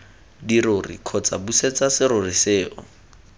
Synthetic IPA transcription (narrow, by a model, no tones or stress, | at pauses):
diɾʊrḭkʰɔt͡sabuset͡sasɪɾʊriseːʔɔ̰